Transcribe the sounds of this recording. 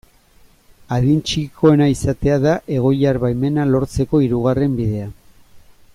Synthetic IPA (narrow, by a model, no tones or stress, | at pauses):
aðint͡ʃikʰo̞e̞naisat̪e̞aðaʔe̞ɣ̞o̞jaɾβajme̞nalo̞ɾt͡se̞ko̞iɾuɣ̞are̞mbiðe̞a